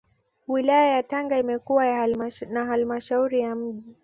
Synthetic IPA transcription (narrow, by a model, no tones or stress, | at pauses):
wilajajataŋɡaimɛkuwajanaɦalmaʃauɾijam̩ʄi